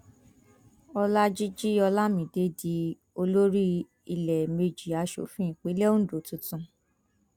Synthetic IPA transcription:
ɔ˧la˦d͡ʒi˦d͡ʒi˦ɔ˧la˦mĩ˨de˨˦di˧˦ | o˧lo˦ɾi˦ | i˧lɛ˨me˧d͡ʒi˨a˨˧ʃo̰˨˦fĩ˦ĩ˨k͡pe˨˦lɛ˦õ˦n̩˦do˨˦tũ˧tũ˧

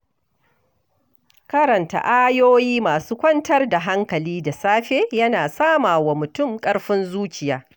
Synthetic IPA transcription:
kɐ˦ɾɐ˨nta̰ː˨ʔaː˦joː˦jiː˦maː˨suː˦kʷɐ˦ntɐ˦rda˨ɦa˦ŋkɐ˨liː˦da˨saː˦ɸeː˦jɐ˦naː˨saː˦maː˨wa˨mʊ˨tʊ˦˨mkʼɐ˦ɽɸɪ˦nzuː˦t͡ʃɪ˨jaː˨

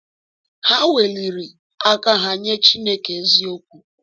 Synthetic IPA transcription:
ha˦we˨li˨ɾi˨ | a˦ka˦ɦa˨ɲe˦t͡ʃi˦ne˦ke˨˦zi˦o˦k̚ʷu˦

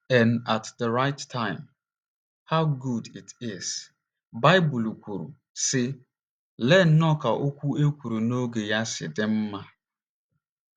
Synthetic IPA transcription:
ɛ˨na˨tdə˨ɾa˦ɪtːʰa˦ɪm | ha˦ʊɡu˦dɪ˨tɪ˨z̥ | ba˦ɪ˦bʊ˨lu˨kʷu˨ɾṵ˨ | sɪ˦ | lɛ˦nɔ˦ka˨ʔo˦kʷu˦e˦kʷu˨ɾu˨no˦ɡe˨ja˦sɪ̰˨dɪ˨˦m̩˦ma˦

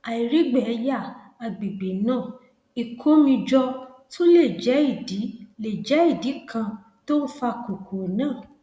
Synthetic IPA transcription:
a˨i˨ɾi˨˦ɡ͡bɛ˨˧ja˦˨ | a˨ɡ͡be˨ɡ͡be˨nãː˦˨ | i˨kʰo˨˦mĩ˧d͡ʒɔ˧to˦le˦˨d͡ʒɛ˨˦i˦˨di˨˦le˨d͡ʒɛ˨˦i˦˨di˨˦kʰã˧ | to˦n̩˦fa˧ku˨ko˨nãː˦˨

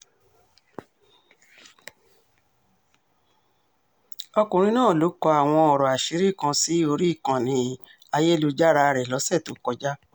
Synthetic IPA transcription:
ɔ˧kũ˨ɾ̃ĩ˧˦nãː˦˨lo˨˦kɔ˧a˨w̃ɔ̃˧ɔ˨ɾɔ˨a˨ʃi˨˦ɾi˦˨kã˧si˦o˧ɾi˦˨kã˨nĩ˧˦ | a˧je˦˨lu˧d͡ʒa˦ɾa˧ɾɛ˨lɔ˨˦sɛ˦˨to˨˦kɔ˧d͡ʒa˦

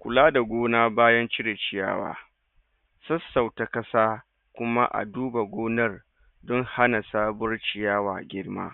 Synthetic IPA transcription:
kʷʊ˨laː˦da˨ɡʷoː˦naː˦baː˦jɐ˦nt͡ʃɪ˦ɽe˨t͡ʃɪ˦ja̰ː˦wa̰ː˦ | sɐ˦sːa˨wta˨kɐ˦saː˦ | kʷʊ˦ma̰˦ʔa̰˨duː˦ba˨ɡʷoː˦nɐ˦r | dɔ˦ŋha˦na˨saː˦bɔ˦rt͡ʃɪ˨jaː˦wa̰ː˨ɡʲɪ˦rma̰ː˦

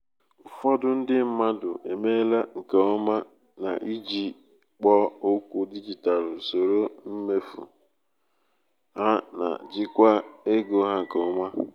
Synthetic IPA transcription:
ʊ˨fɔ˦dʊ˦n̩˦dɪ˦m̩˦ma˦dʊ̰˨ʔe˨me˦la˦ŋ̩˨ka˨o˦ma˦ | na˨ʔi˦d͡ʒi˦ | k͡pɔ˦o˦kʷu˦di˦d͡ʒi˨ta˨lso˨ɾo˦m̩˦me˦fṵ˨ | ha˦na̰˨d͡ʒɪ˦kʷa˦e˦ɡo˦ɦa˦ŋ̩˨ko˨ʊ˦ma˦

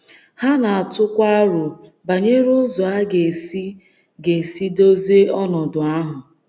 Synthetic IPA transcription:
ha˦na˨a˨tʊ˦kʷa˦ɾʊ˨ba˨ɲe˦ɾʊ˦zɔ˨a˦ɡe˨si˦ | ɡe˨si˦do˦ze˦ɔ˦nɔ˨dʊ˨a˦ɦʊ˨

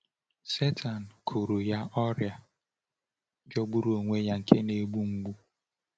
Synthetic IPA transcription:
se˦tʰa˨n̩˨kʰu˨ɾu˨ja˦ʔɔ˦ɾja˨ | d͡ʒo˦ɡ͡bu˦ɾo˨ŋʷe˦ja˦ŋ̩˨kʰe˦ne˦ɡ͡bu˦ŋ͡m̩˦ɡ͡bu˦

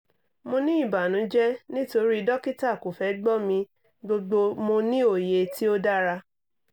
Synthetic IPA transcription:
mõ˧nĩ˦i˦˨ba˨nũ˨˦d͡ʒɛ˦nĩ˦to˧ɾi˦dɔ˦ki˦ta˦˨ko˨fɛ˨˦ɡ͡bɔ˦mĩ˧ | ɡ͡bo˧ɡ͡bo˧mõ˧nĩ˦o˦˨je˨ti˦o˦da˦˨ɾa˧

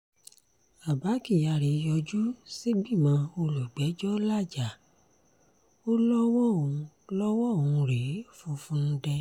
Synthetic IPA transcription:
a˨ba˨˦ki˦˨ja˧˨ɾi˨˧jɔ˧d͡ʒu˦si˦ɡ͡bi˦˨mã˨˦o˧lu˨ɡ͡bɛ˨˦d͡ʒɔ˦la˦˨d͡ʒa˨ | o˦lɔ˦wɔ˦˨ũ˧ | lɔ˦wɔ˦o˨ũ˧ɾe˨˦fũ˧fũ˦ñ̩˧˦dɛ˧

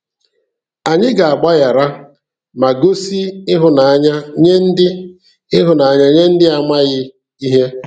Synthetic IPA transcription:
a˨ɲɪ˦ɡa˨a˨ɡ͡ba˦ja˨ɾa˦ | ma˨ɡo˦si˦ɪ˦ɦʊ˨na˨a˦ɲa˦ɲe˦n̩˦dɪ˦ | ɪ˦ɦʊ˨na˨a˨ɲa˦ɲe˦n̩˦dɪ˦a˨ma˦ɣɪ˦ | i˦ɦe˦

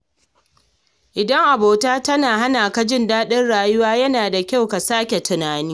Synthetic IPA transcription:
ʔɪ˨dɐ˦ŋʔa˨boː˨taː˦tɐ˦naː˨ɦa˦na˨ka˦d͡ʒɪ˦ndaː˦ɗɪ˦nɽaː˨jʊ˦waː˦jɐ˦naː˨da˨kʲa˦˨wka˨saː˦kʲe˨tʊ˨naː˨niː˦

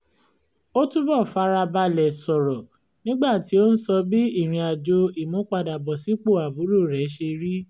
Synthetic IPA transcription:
o˦tu˦bɔ˦˨fa˨˦ɾa˧ba˧lɛ˨sɔ˨ɾɔ˨ | nĩ˦ɡ͡ba˦˨ti˨˦o˦n̩˦sɔ˧bi˦i˦˨ɾ̃ĩ˧a˨d͡ʒo˧i˦˨mũ˨˦k͡pa˧da˨bɔ˨si˨˦k͡po˦˨a˨bu˨˦ɾo˦˨ɾɛ˨˦ʃe˧ɾi˦

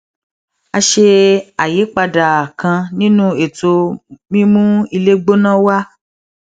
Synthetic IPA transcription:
a˧ʃe˧a˨ji˨˦k͡pa˧da˨kã˧nĩ˦nũ˦e˨to˧mĩ˦mũ˦i˧le˦ɡ͡bo˦nã˦wa˦

